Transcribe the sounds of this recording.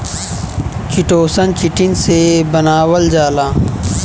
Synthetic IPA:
kiʈoːsɐnkiʈinsebɐnaːwɐld͡ʑaːlaː

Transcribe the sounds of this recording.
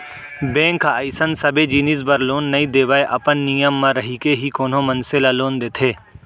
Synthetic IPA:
bẽːŋkːaəɪsənsɐbed͡ʒiːnizbəɾloːnːɐĩd̪eːʋaːeʔɐpənːijəmːãɾɐɦikeɦikoːnõmɐnsɪlaloːnd̪eːt̪ʰeː

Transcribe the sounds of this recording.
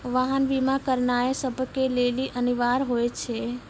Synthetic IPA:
ʋaɦənbimakəɾnaesəbʱkeleːliʔəniʋaːɾɦoet͡ʃʰe

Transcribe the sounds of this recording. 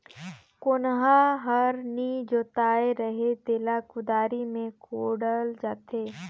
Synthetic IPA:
kʊnɦaɦəɾnid͡ʒoːt̪aːeɾəɦet̪eːlakʊd̪aːɾimẽkʰoːɽəld͡ʒaːt̪ʰeː

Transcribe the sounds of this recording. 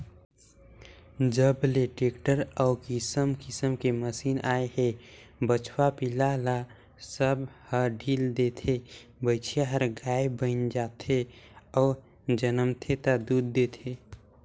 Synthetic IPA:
d͡ʒəbleʈeːkʈəɾɔːkɪsəmkɪsəmkeməsiːnaːeɦebət͡ʃʰwapilala | səbhəɖʱiːld̪et̪ʰebəɪt͡ʃʰjaɦəɾɡaːebənd͡ʒaːt̪ʰeɔːɾ | d͡ʒənəmt̪ʰet̪ad̪uːd̪ːet̪ʰe

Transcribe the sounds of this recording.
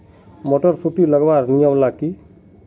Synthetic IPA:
mɔʈɔɾpʰuʈiləɡbaɾnijɔmlaki

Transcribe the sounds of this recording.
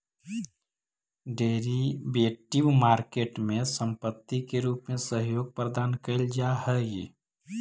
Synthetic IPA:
ɖeːɾibeːʈibmaːɾkeːʈmẽsə̃mpət̪ːikeɾuːpmẽsəɦjoːɡ̚pɾəd̪aːnkəɪld͡ʒahə

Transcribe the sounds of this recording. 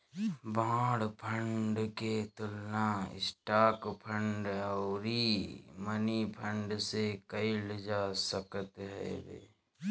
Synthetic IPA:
bãːɽpʰə̃ɳɖket̪ʊlnaɪ̰sʈaːkpʰə̃ɳɖɔːɾimənipʰə̃ɳɖsekəilɪd͡ʒasəkət̪ɦɛ̰bḛː

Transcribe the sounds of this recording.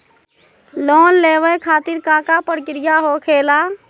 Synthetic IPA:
loːnleːwəjkʰaːt̪ɪɾkãːkapəɽkɾɪjaɦokʰeːla

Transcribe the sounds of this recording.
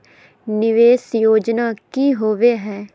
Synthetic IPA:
nɪʋeːsjoːd͡ʒnaːkiːɦoːʋeːɦɛː

